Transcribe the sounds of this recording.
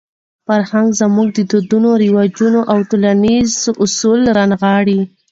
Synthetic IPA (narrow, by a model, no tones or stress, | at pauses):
faɾhaŋɡzamuɡ̚d̪əd̪od̪unoɾiwɑd͡ʒunoʔawʈolanizʊsulɾanɣɑɽi